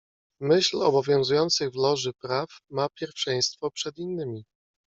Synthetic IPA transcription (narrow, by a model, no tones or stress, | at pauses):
mɘɕlɔ̰bɔvʲjɔ̃w̃zujɔnt̪sɘɣvlɔʐɘpɾafmapʲjɛɾfʂɛ̃j̃st̪fɔpʂɛd̪inːɘmʲi